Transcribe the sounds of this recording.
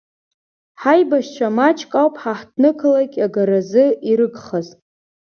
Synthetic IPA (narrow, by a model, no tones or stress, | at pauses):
ħajbaʃt͡ʃʷʰamat͡ʃʰʼkʼawpʼħaħtʰnɨkʰɨlakʲʼaɡaɾazɨiɾɨɡχaztʼ